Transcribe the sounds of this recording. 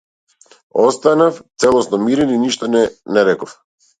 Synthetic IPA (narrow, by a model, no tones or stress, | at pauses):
ɔst̪anaft̪sɛlˠɔsnɔmiɾɛniniʃt̪ɔnɛnɛɾɛkɔf